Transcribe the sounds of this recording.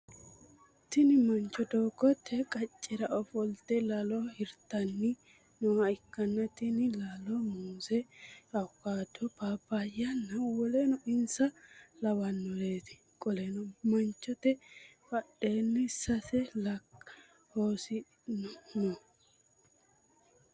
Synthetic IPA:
t̪ɪnɪmɐnt͡ʃːɔd̪oːɡɔt̪ʰːɛkʼɐt͡ʃʼːɪɾɐʔɔfɔlt̪ɛlɐlɔhɪɾt̪ːɐnːɪ | nɔɐɪkːɐnːɐt̪ɪnɪlɐlɔmuːsɛɐkːaːd̪ɔbaːbajɐnːɐwɔlɛnɔɪnsɐlɐwɐnːɔleːt̪ɪ̥ | kʼɔlɛnɔmɐnt͡ʃːɔt̪ɛfɐɗːe̞ːnːɛsɐsɛlɐk | hoːsɪ | nɔnɔ

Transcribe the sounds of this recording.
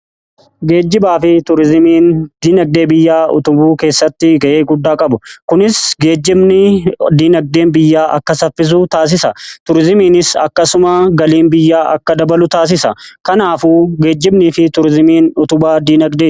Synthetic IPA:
ɡe̞ːd͡ʒːɪbaːfɪt̪ʊɾɪzmiːnd̪̥iːnɐɡ̚d̪e̞ːbɪjːaːʊ̰t̪ʊbuːke̞ːsːɐt̪ːɪɡɐʔeːɡʊd̪ːaːkʼɐbʊkʊnɪsɡeːd͡ʒːɪmnɪd̪iːnɐɡ̚d̪e̞ːnbɪjːaːʔɐ̰kːɐsɐfːɪs̬ut̪aːs̬ɪsɐt̪ʊɾɪzɪmiːnɪsɐ̰kːɐsʊmɐɡɐliːnbɪjːaːʔɐ̰kːɐd̪ɐbɐlʊt̪aːs̬ɪsɐkɐnaːfuːɡe̞ːd͡ʒːɪbniːfɪt̪ʊɾɪzmiːnʊt̪ʊbaːd̪iːnɐɡd̪eː

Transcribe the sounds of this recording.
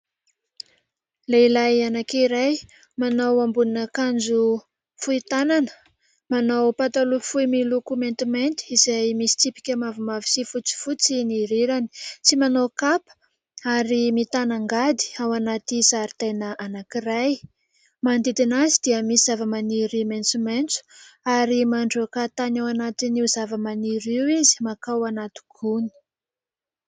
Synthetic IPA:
leilajanakiɾaj | manawambuninəkand͡ʒu | fuit̪ananə̥ | manawpat̪alufuimilukumẽnt̪iment̪i̥izajmisi̥t͡sipi̥kʲəmavimavisifut͡si̥fut͡siniɾiɾani̥t͡simanowkapə̥ | aɾimit̪anaŋɡad̪i̥awanat̪isaɾit̪enəʔanakiraj | mand̪id̪inazid̪̥iəmisiz̥avəmaniɾiment͡sument͡su̥aɾimaɳɖ͡ʐokat̪anawanat̪iniuzavəmaniɾiwizi̥makawanat̪i̥ɡ̥uni̥

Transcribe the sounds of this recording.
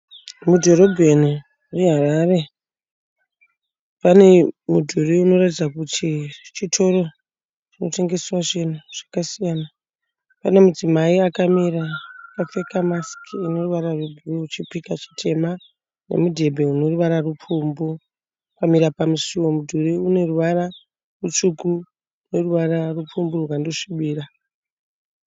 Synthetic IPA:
mudʱo̞ro̞bʱeni | reɦaraːre̞ | pane̞mudʱuriuno̞ratid͡zakutʰit͡ʃitʰo̞ɾo | t͡ʃino̞te̞ŋɡe̞swaʐenuʐ̥akasijana | pane̞mud͡zimaiakamiɾapafekamaskiino̞ruʋaɾarubʱuruut͡ʃipikat͡ʃi̥tʰe̞ma | ne̞̰mudʱe̞bʱe̞uno̞ruʋaɾarupumbu | kamiɾapamusiwomudʱuɾiune̞ruʋaɾa | rut͡ʃuku | une̞ruʋararup͡fumburukandoʂiɓiːra

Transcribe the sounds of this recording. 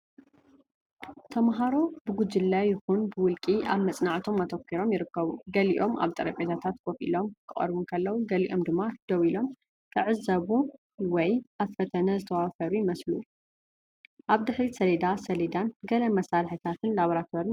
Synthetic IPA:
t̪ʰɐmɦaɾo̞bɨɡud͡ʒɨlːajːɪxunbɨwʊlkʼiʔa̰βmɐt͡sʼnaʕt̪ʰo̞mːɐt̪ʰɐkʰːiɾo̞mjɪɾɨkːɐβuɡɐlḭʔo̞mʔa̰βt̪ʼɐɾɐpʼet̪ʰat̪ʰat̪kʰofḭlo̞mkʰɨχʼɐ̰ɾβunkʰɐlːɐwuɡɐlḭʔo̞md̪ɨmːad̪̥ɐwilo̞m | k̪ʰɨʕɨzːɐβu | wɔjʔafɐt̪ʰɐnɐzɨt̪ʰɐwafɐɾujɪmɐslu | ʔaβd̪ɨħɾisɐled̪asɐled̪anɡɐlɐmɐsalħit̪ʰat̪ʰɨnlaβɐɾat̪ʰoɾi

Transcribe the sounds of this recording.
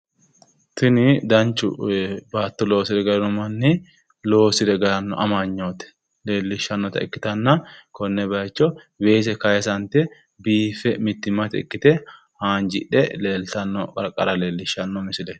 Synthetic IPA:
t̪ɪnɪd̪ɐnt͡ʃːʊ̰baːt̪ːɔlo̞ːsɪd̪ɛɡɐlɐnːɔmɐnːɪ | lo̞ːsɪd̪ɛɡɐlɐnːɔ̰ʔɐmaɲːoːt̪ɛ̥ | le̞ːlːɪʃːɐnːɔt̪ɐ̰ɪ̰kːɪ̥t̪ɐnːɐkɔnːɛbɐjt͡ʃːɔ | we̞ːs̬ɛkɐjɛsɐnt̪ɛ | biːfɛmɪt̪ːɪmːɐt̪ɛ̰kːɪt̪ɛ | haːnd͡ʒɪ̰ᶑɛleːlt̪ɐnːɔkʼɐɾkʼɐ̰ɾɐle̞ːlːɪʃːɐnːɔmɪsɪlɛ

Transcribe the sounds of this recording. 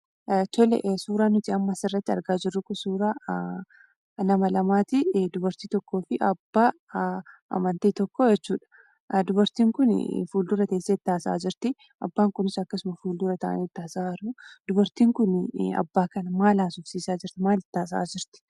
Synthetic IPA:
t̪ɔlɛ̰ʔsuːɾaːnːʊt̪ɪɐmːɐsɪrːɐt̪ːɪɐ̰ɾɡaːd͡ʒɪrːʊkʊsuːɾaː | nɐmɐlɐmaːt̪ɪd̪ʊbɐɾt̪iːt̪ɔkːo̞ːfɪʔɐbːaː | ʔɐ̰mɐnt̪eːt̪ɔkːɔjɛt͡ʃːuːᶑɐ̥ | d̪ʊbɐɾt̪iːŋkʊn̰fuːld̪ʊɾɐt̪ɐsːɐɪt̪ːaːsa̰ːd͡ʒɪɾt̪ɪ | ɐ̰bːaːŋkʊnɪsɐkːɐsʊmɐfuːld̪ʊɾɐt̪ɐ̰ʔɐ̰nit̪ːaːsaːɾʊd̪̥ʊbɐɾt̪iːŋkʊnɐ̰bːaːkɐnɐmaːlaːsʊfsiːsaːd͡ʒɪɾt̪ɪmaːlɪt̪ːaːs̬a̰ːd͡ʒɪɾt̪ɪ̥

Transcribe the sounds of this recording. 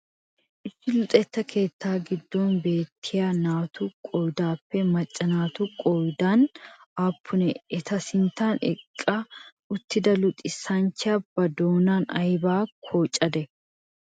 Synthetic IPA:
ʔɪsːɪlʊt̪ʼɛt̪ːɐkʰe̞ːt̪ːaːɡɪd̪ːoːnbe̞ːt̪ʰːɪjaːnaːt̪ʊkʼɔjd̪aːpːɛmɐt͡ʃʼːɐnaːt̪ʊkʼɔjd̪aːnaːpːʊnɛɛt̪ɐsɪnt̪aːnɛ̰kʼːɐ | ʊt̪ːɪd̪ɐlʊt̪ʼɪsɐnt͡ʃːɐbɐd̪o̞ːnaːnɐ̰jbaːkʰoːt͡ʃʼːɐd̪ɛ

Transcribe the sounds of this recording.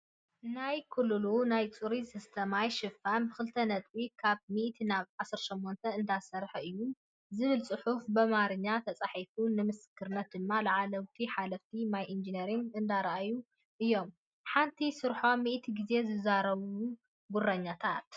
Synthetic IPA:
najkʰulːɨlunajt͡sʼuɾisɨst̪ʰɐmajʃɨfamxɨlt̪ʰɐnɐt̪ʼwikʰaβmiʔt̪ʰinaβʕasɨɾʃomːont̪ʰɐɨnd̪asɐɾħɨjːu | zɨβɨlsʼɨħufbɨmaɾɨɲːat̪ʰɐt͡sʼaħifunɨmɨskʰɨɾnɐt̪̚d̪ɨmːalɐʕalɐwt̪ʰiħalɐft̪ʰinajʔind͡ʒineɾiŋɨnd̪aɾɐʔaju | ʔɨjːo̞m | ħant̪ʰisɨɾħo̞miʔt̪ʰiɡize̞zɨzaɾɐβuu | ɡʊrːɐɲːat̪ʰat̪

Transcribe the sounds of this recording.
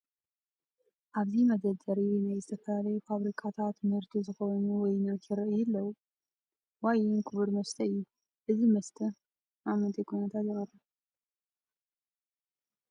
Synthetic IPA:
ʔaβzimɐd̪ɐd̪ɐɾiwjnajzɨt̪ʰɐfɐlalɐjufaβɾikʰat̪ʰat̪mɨɾt̪ʰuzɨxonuwɔjnat̪jiɾɨʔɨjɪlːɐwu | wajɪnkʰɨβɨɾmɐst̪ʰɐɨjːu | ʔɨzimɐst̪ʰɨ | amɨnt̪ʰekʰonɐt̪ʰat̪jɪxɐrːɐ

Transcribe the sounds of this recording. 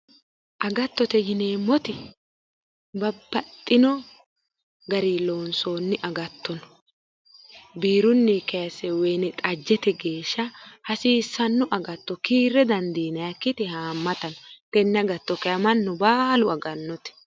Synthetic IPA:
ʔɐɡɐt̪ːɔt̪ɛjɪneːmːɔt̪ɪ | bɐbːɐt̪ʼːɪnɔ | ɡɐɾiːloːnso̞ːnːɪʔɐɡɐt̪ːɔnɔ̥ | biːɾʊnːikɐɐsɛwɛjnɪt̪ʼɐd͡ʒːɛt̪ɛɡe̞ːʃːɐhɐsiːsːɐnːʊʔɐɡɐt̪ːɔkiːɾːɛd̪ɐnd̪iːnɐjɐkːɪt̪ɪhaːmːɐt̪ɐnɔt̪ɛnːɐɡɐt̪ːɔkɛɐmɐnːʊbaːlʊɐɡɐnːɔt̪ɛ̥

